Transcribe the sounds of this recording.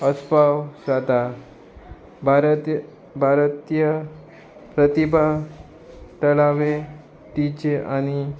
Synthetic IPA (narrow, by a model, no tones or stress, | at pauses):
əspawsʋad̪ʱa | bɾ | bʱaɾt̪jə | pɾət̪ibʱa | ʈəlaʋe | t̪it͡ɕeʔañi